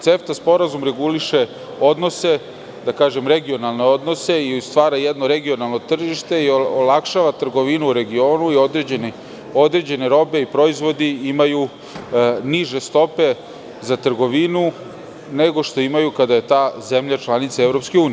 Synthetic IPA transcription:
t̪seft̪aspo̞ɾazumɾe̞ɡuliʃe̞ | o̞d̪no̞se̞ | d̪akaːʒe̞mɾe̞ɡio̞nalˠne̞o̞d̪no̞se̞iust̪ʋaːɾajɛd̪no̞ɾe̞ɡio̞nalˠno̞t̪r̩ʒiʃt̪e̞ioolakʃaʋat̪r̩ɡo̞ʋinuɾe̞ɡio̞ːnuiod̪ɾed͡ʑeni | o̞d̪ɾe̞d͡ʑe̞ne̞ɾo̞be̞ipɾo̞izʋo̞d̪iimaju | niʒe̞st̪o̞pe̞ | zat̪r̩ɡo̞ʋinu | neɡo̞ʃt̪o̞imajukad̪aje̞t̪aːzemʎat͡ʃlˠanit̪saevɾo̞pskeuːni

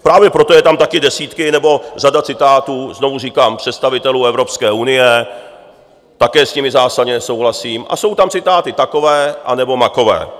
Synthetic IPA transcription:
pɾaːvjɛpɾo̞t̪o̞jɛt̪amt̪akɪdɛsiːt̪kɪnɛbo̞radat͡sɪt̪aːt̪uːzno̞vuriːkaːmpr̝̥ɛt̪st̪avɪt̪ɛluːɛvɾo̞pskɛːʔunɪjɛ | t̪akɛːsɲɪmɪzaːsadɲɛnɛso̞wɦlasiːmʔa̰so̞wt̪amt͡sɪt̪aːt̪ɪt̪ako̞vɛːʔanɛbo̞mako̞vɛ̰ː

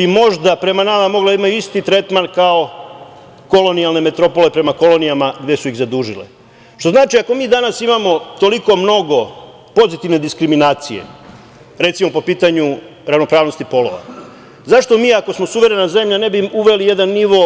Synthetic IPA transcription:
bimo̞ʒd̪apɾe̞manamamo̞ɡlad̪aimajuist̪it̪ɾe̞t̪mankao̞ | ko̞lo̞nijalne̞me̞t̪ɾo̞po̞le̞pɾe̞mako̞lˠo̞nijamaɡd̪esuiɣzad̪uːʒilḛ | ʃt̪o̞znaːt͡ʃiako̞miːd̪anasimamo̞t̪o̞liko̞mno̞ɡo̞ | po̞zit̪iʋne̞d̪iskɾiminaːt̪sije̞̰ | ɾe̞t̪simo̞po̞piːt̪aɲuɾavno̞pɾaːʋno̞st̪ipo̞lo̞̰ʋa̰ | zaʃt̪o̞miːako̞smo̞suʋe̞ɾe̞naze̞mʎane̞biuʋe̞lije̞d̪anːiʋo̞

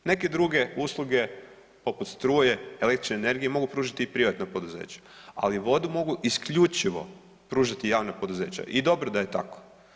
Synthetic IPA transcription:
ne̞ke̞d̪ɾuɡe̞uslˠuɡe̞ | po̞put̪st̪ɾuːjeelekt̪ɾi̥t͡ʃneːne̞ɾɡije̞mo̞ɡupɾuːʒat̪iːpɾiʋat̪napo̞d̪uzḛːt͡ɕḁa̰liʋo̞d̪umo̞ɡuʔiskʎut͡ʃiʋo̞̰ | pɾuːʒat̪ijaːʋnapo̞d̪uze̞̰ːt͡ɕa̰ʔid̪o̞bɾod̪ajet̪a̰ko̥

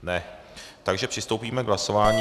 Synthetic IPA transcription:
nɛ | t̪aɡʒɛpr̥ɪst̪owpiːmɛɡɦlaso̞vaːɲi

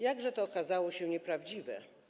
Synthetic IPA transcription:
jaɡʐɛt̪ɔːkazawɔɕɛɲɛpɾavd͡ʑivɛ

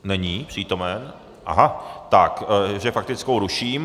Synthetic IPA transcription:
nɛɲiːpr̝̥iːt̪o̞mɛn | ʔa̰ɦat̪akʒɛfak̚t̪ɪt͡skowɾuʃiːm

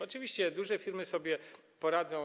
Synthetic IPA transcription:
ɔt͡ʂɘvʲiɕt͡ɕɛd̪uʐɛfʲiɾmɘsɔbʲjɛ | pɔɾad̪zɔ̃

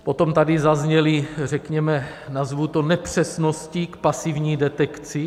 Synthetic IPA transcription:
po̞t̪o̞mt̪adɪzazɲɛlɪrɛkɲɛmɛ | nazvut̪onɛpr̝̥ɛsnoscikpasivɲiːdɛt̪ɛkt͡sɪ

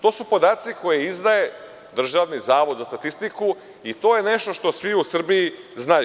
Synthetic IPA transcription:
t̪o̞ːsupo̞d̪aːt̪siko̞jeizd̪aje̞ | d̪r̩ʒaʋnizaːʋo̞d̪zast̪at̪ist̪iku | it̪o̞ːje̞ne̞ʃt̪o̞ʃt̪o̞sʋiusr̩biiznaj

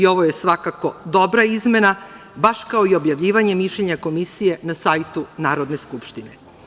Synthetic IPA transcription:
io̞ʋo̞je̞sʋakako̞d̪o̞bɾaizme̞na | baʃkao̞io̞bjaʋʎiːʋaɲe̞miʃʎeɲako̞misije̞nasajt̪unaːɾo̞d̪ne̞skupʃt̪ine

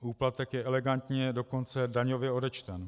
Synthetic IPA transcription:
ʔuːplat̪ɛkjɛʔɛlɛɡant̪ɲɛdo̞ko̞nt͡sɛdaɲo̞vjɛo̞dɛt͡ʃt̪ɛn

